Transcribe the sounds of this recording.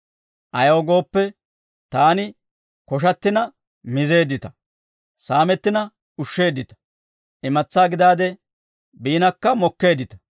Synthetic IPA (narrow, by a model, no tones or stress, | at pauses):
ʔɐjoːɡo̞ːpːɛ | t̪aːnɪ | kɔʃ̬ɐt̪ːɪnɐ | mɪze̞ːd̪ɪt̪ɐ̥ | saːmɛt̪ːɪnɐ | ʊʃːe̞ːd̪ːɪt̪ɐ̥ | ʔɪmɐt͡sːaːɡɪd̪aːd̪ɛ | biːnɐkːɐmɔkːe̞ːd̪ɪt̪ɐ̥